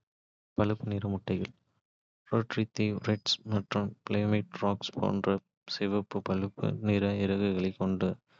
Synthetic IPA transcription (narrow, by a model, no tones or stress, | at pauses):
pɐlɯpːɯnɪːɾɐmʊʈːɐɪɣɐɭ | ɾoːʈrit̪ːiɾɛʈsmɐʈrɯmpleːmɪʈɾaːkspʰo̰ːndrɐ | sɪʋɐpːɯpɐɭɯpːɯ̰nɪːɾɐɪɾɐɣɐɪɣɐɭɐɪkːɔɳɖɯ